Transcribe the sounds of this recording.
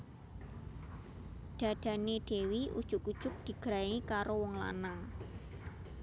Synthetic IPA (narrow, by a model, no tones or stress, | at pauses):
d̪̥ä̤d̪̥a̤ned̥e̤wiʔṵd̥ʒ̥ʊkud̥ʒ̥ʊk̚d̪̥i̤ɡ̥ɾaikaɾowɔŋla̰na